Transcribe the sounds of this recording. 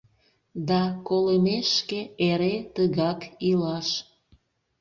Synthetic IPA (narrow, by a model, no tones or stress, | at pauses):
d̪ɑkoləmeʃkeeɾet̪əɣɑkilɑʃ